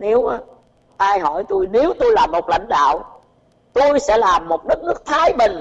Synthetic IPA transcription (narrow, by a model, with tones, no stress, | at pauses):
ne˨˦wʔaː˨˦ | ʔaː˧jɦɔ˧˩jt̪u˧jne˨˦wt̪o˧jlaː˨˩mːo˨˩t̚la̰˧˥jŋ̟ɗa̰ː˧˨w | t̪o˧jsɛ̰˧˥laː˨˩mːo˨˩t̚ɗɨ˦˥k̚nɨ˦˥ək̚t̪ʰaː˨˦jɓï˨˩ŋ̟